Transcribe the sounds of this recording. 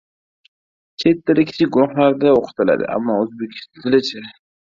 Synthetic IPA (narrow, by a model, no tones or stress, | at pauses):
t͡ʃʰet̪ːɪlɪkʲʰːɪ̥t͡ʃʰɪɡʊɾʊχlaɾd̪aoqʰɨ̥t̪ʰɪla̰d̪ɪ̰ʔa̰mːɒːɵzbekʲʰɪ̥st̪ʰzɪlɪt͡ʃʰɪ